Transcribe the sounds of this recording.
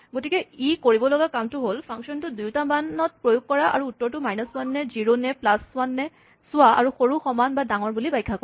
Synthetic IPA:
ɡotikɛikoɹibɔlɔɡakamtʊɦolpʰaŋksɔntʊdujtamanɔt̚pɹojʊk̚kɔɹaʔa̰ɹuːtːɔɹtʊmajnɔswanːɛziɹonɛplaswanːɛ | sʊwaa̰ɹuxoɹuxɔmanbadaŋɔɹbulibajkʰːakɔ

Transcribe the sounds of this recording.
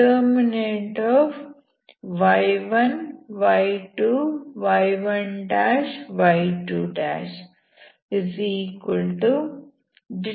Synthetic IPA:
əːɾmineʈɔʋ | ʋaɪʋɐnʋaɪʈuːʋajʋɐ̃ɳɖæːʃʋaɪʈuːɖæ̰ːʃ | ɪziːkʋəlʈu | ɖɪ

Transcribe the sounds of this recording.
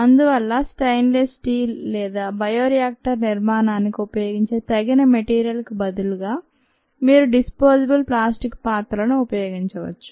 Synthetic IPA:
ɐnd̪uʋɐlːɐsʈɐjnlesʈiːlːɛːd̪aːbɐjoːɾijaːk̚ʈɐɾniɾmaːnaːnikiupɐjo̞ːɡiɲt͡ʃeːt̪ɐɡinɐmeʈiːɾijɐlkubɐd̪uluɡaː | miːɾuɖispoːsibulplaːsʈikpaːt̪ɾɐɐnuːpɐjoːɡiɲt͡ʃɐʋɐ̰t͡ʃːu̥

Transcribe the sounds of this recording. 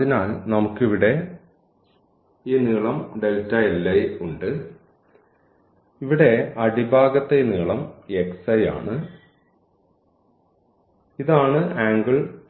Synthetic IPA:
inaːlnɐmukːiʋiɽe̞ | iːniɭɐmɖe̞ltːɐelːɐjuɳɖɨ | iʋiɽe̞ɐɽibʱaːɡɐt̪ːe̞niːɭɐmeksɐja̰ːɳɨ | iðaːɳɨaːŋɡɨɭ

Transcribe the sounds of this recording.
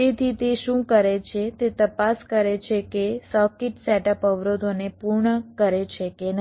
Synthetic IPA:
et̪ʰit̪eʃũkəɾet͡ʃʰet̪et̪əpaskəɾet͡ʃʰekesɔkɪʈsɛʈəpəʋɾod̪ʱonepuɾɳəkəɾet͡ʃʰeken

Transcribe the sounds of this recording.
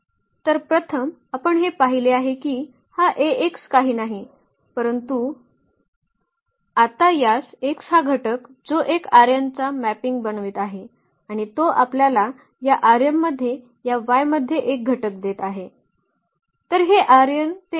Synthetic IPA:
t̪əɾpɾət̪ʰəmapəɳɦepaɦileaɦekiː | haʔeekskaɦiːnaɦi | pəɾənt̪u | at̪ajaseksɦaɡʱəʈək | d͡zoʔekaɾjənt͡samæpiŋɡ̚bənʋiːt̪aɦe | aɽ̃it̪oʔapljala | jaʔaɾjəmːəd̪ʱːje | jaʋajməd̪ʱːjeʔek̚ɡʱəʈək̚d̪et̪aɦe | t̪əɾɦeʔaɾjənt̪e

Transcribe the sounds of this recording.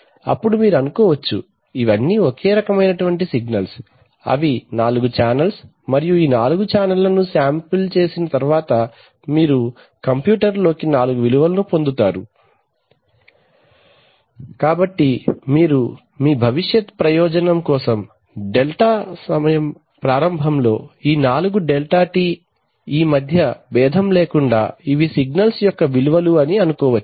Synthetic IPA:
ɐ̰pːuɽumiːɾuɐnukɔːʋɐt͡ʃːu | iʋɐnːiokeːɾɐkɐmɐjnɐʈuʋɐɳʈisiɡnɐls | ɐ̰ʋinaːluɡut͡ʃaːnɐls | mɐɾijuiːnaːluɡut͡ʃaːnɐlːɐnusaːmpilt͡ʃe̞ːsinɐt̪ɐɾʋaːt̪ɐ | miːɾu | kɐmpjuːʈɐɾlo̞ːkinaːluɡuʋiluʋɐlɐnupo̞nd̪ut̪aːɾṵ | kaːbɐʈːimiːɾu | miːbʱɐʋiʃjɐt̪pɾɐjɔːd͡ʒɐnɐmkɔːsɐm | ɖelʈaːsɐmɐjɐm | pɾaːɾɐmbʱɐmlo̞ːiːnaːluɡuɖelʈaːʈiː | iːmɐd̪ʱjɐbɛːd̪ʱɐmleːkuɳɖa̰ːiʋisiɡnɐlsjɔkːɐʋiluʋɐluɐniɐnukɔːʋɐt͡ʃːu̥

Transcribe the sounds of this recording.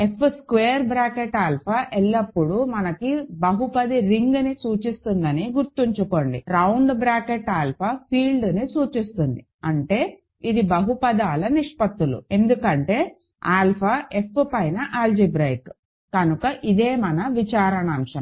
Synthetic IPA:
e̞pʰːskʋeːɾbɾaːkeʈaːlpʰaʔɛlːɐpːuɽumɐnɐkibɐɦupɐd̪iɾiŋɡnisuːt͡ʃist̪und̪ɐniɡuɾt̪iɲt͡ʃuko̞ɳɖḭɾɐwɳɖbɾaːkeʈaːlpʰapʰiːlɖnisuːt͡ʃist̪und̪i | ɐɳʈe̞ː | id̪ibɐɦupɐd̪aːlɐniʂpɐt̪ːulṵe̞nd̪ukɐɳʈe̞ː | aːlpʰaʔe̞pʰːpɐjnɐʔaːld͡ʒibɾɐjk | kɐnukɐʔid̪e̞ːmɐnɐʋit͡ʃaːɾɐnɐɐmʂɐm

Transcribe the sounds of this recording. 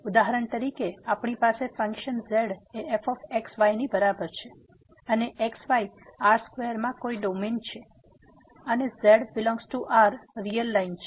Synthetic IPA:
ud̪aɦaɾəɳt̪əɾikeapɳ̃ipasefə̃ŋkʃənzeɽeːfɔfeksʋajnibəɾabəɾt͡ʃʰe | əneʔeksʋajaɾskʋejəɾmãkoiɖoment͡ʃʰe | ənezeɽbɪlɔ̃ŋɡzʈuʔaɾːijəlːaint͡ʃʰe

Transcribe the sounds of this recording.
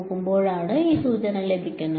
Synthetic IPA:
kːɯmpoːɻaːɽɐiːsuːt͡ɕɐnɐleb̪ʱɪkʲːɐnːɐ

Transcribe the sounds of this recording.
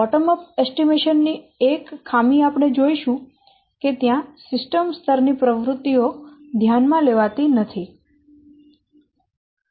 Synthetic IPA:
ɔʈəməpɛsʈimeʃənːi | ekʰːamiapɳ̃ed͡ʒoiʃũ | ket̪jãsɪsʈəmst̪ʰəɾnipɾəʋɾut̪ːiod̪ʱjanmãleʋat̪inət̪ʰi

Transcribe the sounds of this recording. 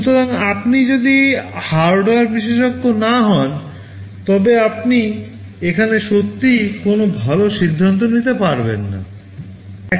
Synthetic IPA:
ʃut̪oɾaŋapnid͡ʑod̪ihaɾɖoaɾbiʃeʃokːonaɦɔn | t̪ɔbeap̚ni | ekʰaneʃot̪ːikonobʱaloʃid̪ʱːant̪onit̪epaɾbḛnːa̰

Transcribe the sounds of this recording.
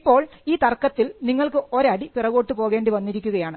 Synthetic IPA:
pːo̞ːɭiːt̪ɐrkːɐt̪ːilniŋːɐɭkɨo̞ɾɐɽipirɐɣo̞ːʈːɨpo̞ːɣe̞ːɳɖɨʋɐnːiɾikʲːuɣɐjaːɳɨ

